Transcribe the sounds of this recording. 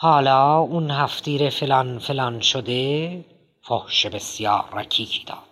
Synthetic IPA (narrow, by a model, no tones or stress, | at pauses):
hɒːlɒːunhæft̪ʰiːɾefelɒnfelɒnʃod̪e | fohʃebesjɑːɾːæcʰiːkʰiːd̪̥ɒ̰ːd̪̥